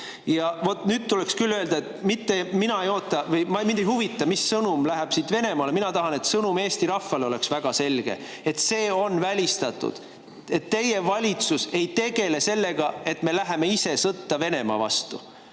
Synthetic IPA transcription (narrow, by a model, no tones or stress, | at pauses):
jɑvo̞t̪nyːd̪̥̚t̪ulekskylːø̞eld̪̥ɑet̪mit̪ːe̞minɑejo̞ːt̪ːˑɑvɤjmɑmind̪ejhuvit̪ːˑɑmisːɤnumlæɦeb̥siːt̪ve̞ne̞mɑːle̞minɑt̪ɑɦɑne̞t̪sɤnume̞ːst̪iɾɑfːɑleo̞le̞ksvæɡ̥ɑse̞lɡ̥ḛ | et̪se̞ːo̞nvælʲist̪ɑt̪ːˑṵd̪̥ | e̞t̪ːe̞jevɑlʲit̪suse̞jt̪e̞ɡ̥e̞le̞se̞lːe̞ɡ̥ɑe̞t̪ːme̞læɦe̞me̞ise̞sɤt̪ːɑve̞ne̞mɑ̰vɑ̰st̪ṵ